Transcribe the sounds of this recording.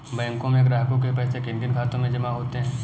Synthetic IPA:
bɛ̃ːŋkõmẽkɾaːɦkõk̬epɛːsekɪ̃mbənkʰaːt̪õmẽd͡ʒɐmaɦoːt̪eɦɛ̃ː

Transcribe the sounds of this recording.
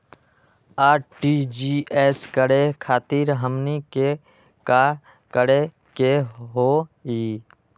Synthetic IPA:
aːɾʈid͡ʒiːeːskəɽekʰaːt̪iːɾɦəmnike | ka | kəɽe | keɦoiː

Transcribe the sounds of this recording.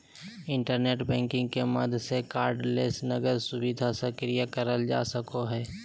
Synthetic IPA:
ɪ̃ɳʈəɾneːʈbɛ̃ːŋkɪ̃ŋɡkemɐd̪ʱsekaːɾɖleːsnəɡəɾsʊwɪd̪ʱasəkɾijakəɾəld͡ʒa̰ːsəkoɦɛː

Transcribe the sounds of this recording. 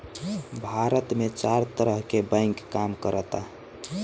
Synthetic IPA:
bʱaɾət̪met͡ʃaɾt̪əɾəɦkebãɪ̃ŋkːamkəɾət̪a

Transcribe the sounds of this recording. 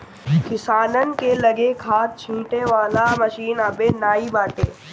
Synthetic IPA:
kɪsaːnənkelɐɡekʰaːt̪̚t͡ʃʰĩːʈeʋaːlamɐʃiːnɐbeːnaːibaːʈḛː

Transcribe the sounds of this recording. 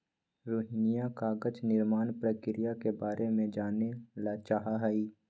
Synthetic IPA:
ɾoːɦɪnijakaːɡəd͡ʒnɪɾmaːnpɾəkɪɾɪjakebaːɾʔemẽd͡ʒaːnelat͡ʃaɦaɦaiː

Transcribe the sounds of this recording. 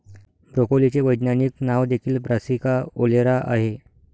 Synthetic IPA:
bɾokolit͡seʋəjd̪naniknaʋd̪ekʰiːlbɾasikaoleɾaʔaɦe

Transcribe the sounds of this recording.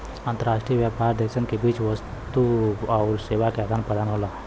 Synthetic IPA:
ant̪əɾaʂʈɾijəʋjapaɾd̪eksənkebiːt͡ʃʋəs | t̪uawɾseʋakead̪ʱanpɾəd̪anɦola

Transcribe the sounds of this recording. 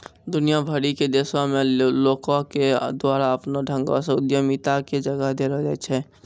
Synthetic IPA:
d̪ʊnijabʱəɾiked̪eːsamẽloːkõked̪waːɾaəpnoɖʱə̃ŋɡõ̰seʊd̪jəmit̪aked͡ʒəɡəɦd̪eɾəd͡ʒɛt͡ʃʰɛ

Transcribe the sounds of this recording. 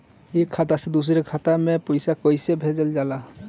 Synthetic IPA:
ekʰat̪asɛd̪us̬iɾekʰat̪amepɔjsakɔjsebʱed͡ʒɛld͡ʒala

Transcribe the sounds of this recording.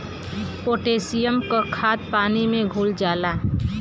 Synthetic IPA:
poːʈeːsijəmkokʰaːt̪̚paːnimẽɡʱuːld͡ʒaːlaː

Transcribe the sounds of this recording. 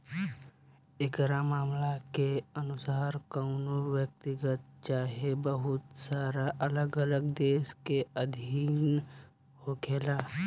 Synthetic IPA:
ɪkɾamaːmlakeənʊsaːɾkənoɾwjək̚t̪ɪɡət̪̚t͡ʃaːɦebəɦʊt̪saːɾaʔələɡələɡd̪eːskeəd̪ʱiːn | hokʰeːlaː

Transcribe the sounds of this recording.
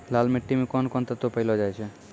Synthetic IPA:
laːlmeʈːimekɔnkɔnt̪ət̪opəɪlɔd͡ʒajt͡ʃʰɛ

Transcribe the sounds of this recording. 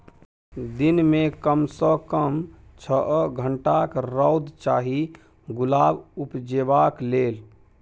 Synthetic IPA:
d̪inmekəmsəkəmt͡ʃʰəʔɡʱəɳʈakɾɔwd̪t͡ʃaːɦi | ɡulaːbupd͡ʒebaklel

